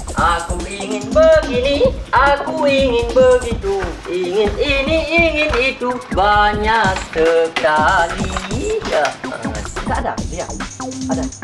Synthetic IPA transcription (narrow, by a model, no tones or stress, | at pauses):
ʔakuiŋɪnbəɡiniakuiŋɪnbəɡit̪uiŋɪniniiŋɪnit̪ubaɲaksəkalija̰ | kaʔada̰bia̰ada